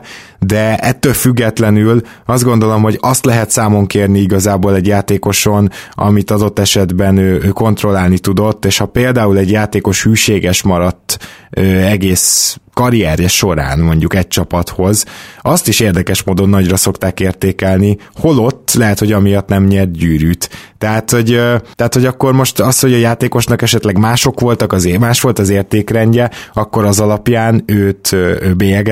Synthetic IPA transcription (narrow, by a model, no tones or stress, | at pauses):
d̪ɛɛt̪ːølfyɡːɛt̪lɛnyl | ɒzd̪ɡo̞n̪d̪o̞lo̞mho̞ɟɒst̪lɛɦɛt̪saːmo̞ŋkeːrniiɡɒzaːboːlɛɟjaːt̪eːko̞ʃo̞nɒ̰mit̪ɒd̪o̞t̪ːɛʃɛd̪bɛnøːøːko̞n̪t̪ro̞laːlnit̪ud̪o̞t̪ːeːʃhɒpeːld̪aːulɛɟjaːt̪eːko̞ʃhyːʃeːɡɛʃmɒɾɒt̪ːøːɛɡeːskɒɾiɛːɾjɛʃo̞ɾa̰ːnmo̞ɲɟukɛc̚t͡ʃɒpɒt̪ho̞zʔɒst̪iʃeːrd̪ɛkɛʃmoːd̪o̞nːɒɟrɒso̞kt̪aːkeːrt̪eːkɛlni | ho̞lo̞t̪ːlɛɦɛt̪ho̞ɟɒmijɒt̪nɛmɲɛrt̪ɟyːɾyːt̪ːɛɦaːt̪ho̞ɟt̪ɛat̪ho̞ɟɒkːo̞rmo̞ʃt̪ɒsho̞ɟɒjaːt̪eːko̞ʃnɒkɛʃɛt̪lɛɡmaːʃo̞kʋo̞lt̪ɒkɒzmaːʃʋo̞lt̪ɒzeːrt̪eːkrɛɲɟɛɒkːo̞ɾɒzɒlɒpjaːnøːt̪ːbeːɛɡɛ